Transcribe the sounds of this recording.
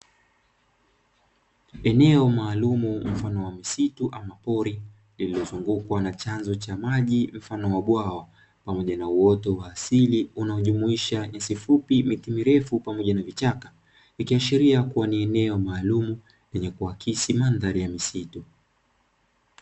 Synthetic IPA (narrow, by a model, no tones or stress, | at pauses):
ɛnɛɔmaːlumum̩fanɔwamisituʔamapɔɾi | lililɔzuŋɡukwanat͡ʃanzɔt͡ʃamaʄim̩fanɔwaɓwawa | pamɔʄanauɔtɔwaːsiliunaɔʄumuiʃaɲasifupimitimiɾɛfupamɔʄanavit͡ʃaka | ikiaʃiɾiakuwaniɛnɛɔmaːlumu | lɛɲɛkuakʰisimandaɾijamisitu